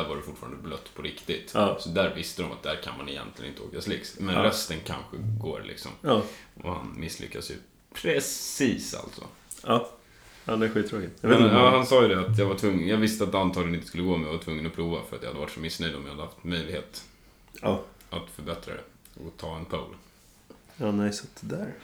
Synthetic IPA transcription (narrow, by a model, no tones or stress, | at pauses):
d̪æːɾvaɾɛfʊʈːfɑːɾand̪əblœt̪ːpʰɔɾɪkt̪ɪt̪sɔd̪æːɾvɪst̪əd̪ɔma̰t̪̚d̪æːɾkʰanmanɛ̰jɛ̰nt̪lɪ̰ənɪnt̪əo̰ːkaslɪksmɛnɾœst̪ənkʰa̰nɧəɡo̰ːɾlʔɪ̰ksɔ̰mʔɔ̰ha̰nmɪsːlʏ̰kːasjɵ̰ | pʰɾɛsiːsa̰lt̪sɔ̰ | ad̪ɛæɾɧiːt̪ʰːɾoːkɪt̪mɛnɑːhansɑːjɵd̪ɛat̪jɑvaʈʰvɵŋːəjɑːɡvɪst̪əat̪ant̪ʰɑːɡlənɪnt̪əskɵlːəɡoːmɛnjavaʈ̪ʰvɵŋːənɔpʰɾuːvafœɾat̪jahad̪əva̰ʈʂɔmɪsnœjd̪ɔmjahad̪əhaft̪mœjlɪɡheːt̪ː | at̪fœɾbɛt̪ɾa̰d̪ɛ̰ | ɔt̪ʰɑːɛnpʰaṵːla | mnasat̪ːd̪æɾ